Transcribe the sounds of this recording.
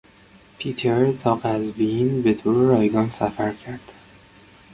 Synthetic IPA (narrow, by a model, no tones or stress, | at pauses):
pʰiːt̪ʰeɾt̪ʰɒːqæzvinbet̪ʰoɾeɾɒːjɡɒːnsæfæɾcʰæɾd̪̥